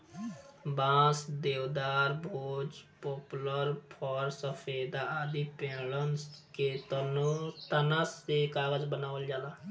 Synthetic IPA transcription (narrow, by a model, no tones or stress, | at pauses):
bãːsd̪eːwd̪aːɾbʱoːd͡ʒpɔːpləɾpʰɔːɾsəpʰeːd̪ad̪ipeːlənket̪ənoɾt̪ənasekaːɡəd͡ʒbənaːʋəld͡ʒaːlaː